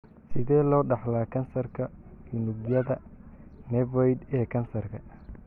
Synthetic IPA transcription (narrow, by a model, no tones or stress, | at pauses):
sɪðɛːlɔːɖɑħlaːkʰɐnsɐrkʰɐjunʊbjɐðɐnɛvɔjd̪ɛːkʰɐnsɐrkʰɐ